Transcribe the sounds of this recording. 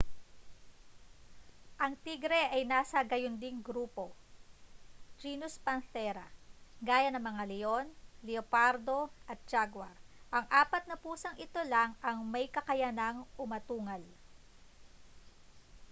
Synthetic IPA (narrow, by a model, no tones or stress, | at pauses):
ʔɐŋt̪iɡɾɛʔɐjnaːsɐɡɐjond̪ɪŋɡɾuːpo̞ | d͡ʒiːnʊspɐnθɛɾɐɡaːjɐnɐŋmɐŋalɛo̞nlɛopaɾd̪o̞ʔɐt̪̚d͡ʒaɡwaɾʔɐŋʔaːpɐt̪̚nɐpuːsɐŋɪt̪o̞laŋʔɐŋmɐjkɐkɐjanɐŋʊmɐt̪uːŋɐl